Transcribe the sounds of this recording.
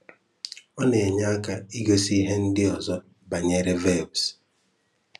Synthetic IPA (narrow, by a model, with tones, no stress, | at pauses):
ɔ˦ne˨ɲa˦a˦ka˦i˦ɡo˦si˦ɦe˦n̩˦dɪ˦ɔ˨zɔ˦ | ba˨ɲe˦ɾe˦ve˦˨bs